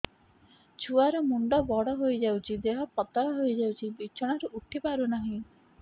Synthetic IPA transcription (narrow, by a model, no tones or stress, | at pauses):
t͡ʃʰuaɾɔmuɳɖɔbɔɽɔɦojd͡ʒawt͡ʃʰid̪eɦɔpɔt̪ɔɽɔɦojd͡ʒawt͡ʃʰibit͡ʃʰɔɽ̃aɾuʔuʈʰipaɾunaɦĩ